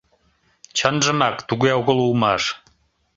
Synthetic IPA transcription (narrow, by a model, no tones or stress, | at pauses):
t͡ɕʰənʒə̆mɑkt̪uɣeoɣə̆lˠulmɑʃ